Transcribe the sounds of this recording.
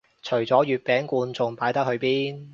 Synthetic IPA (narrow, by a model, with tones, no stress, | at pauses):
t͡ʃʰɵ˨˩ɥt͡sɔː˨˥jyː˨t̚pɛː˨˥ŋkuː˧nt͡sʊ˨˧ŋpaː˨˥jt̪ɐ˥k̚hɵ˧ɥpiː˥n